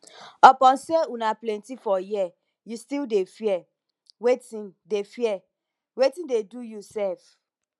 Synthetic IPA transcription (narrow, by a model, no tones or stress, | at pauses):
ɔpɔ̃nseunaplɛ̃ntifɔjiɛ | justildefiɛ | wetĩndefiɛ | wetĩndedujusɛlf